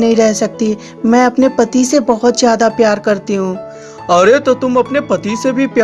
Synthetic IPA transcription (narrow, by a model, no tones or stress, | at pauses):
nɐɦĩɾɛɦsɐk̚t̪i | mɛ̃ːɐpnepɐt̪isebɐɦʊt̪zjaːd̪apjaːɾkɐɾt̪iɦũː | ɐɾet̪ot̪ʊmɐpnepɐt̪isebʱipja